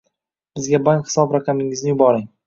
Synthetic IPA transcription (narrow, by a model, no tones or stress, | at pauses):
b̥ɪzɡʲabaŋkhɪ̥sɒbɾaqʰɑmɪŋɪznɪjʊbɒɾɪŋ